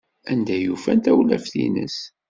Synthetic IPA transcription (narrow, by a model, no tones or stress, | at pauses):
ænd̪æjufænt̪æwlæfθḭnə̰s